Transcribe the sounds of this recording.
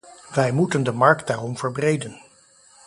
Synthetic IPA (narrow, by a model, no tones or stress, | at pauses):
ʋɛjmutəndəmɑɹkt̚daːrɔmv̥əɹbrejdən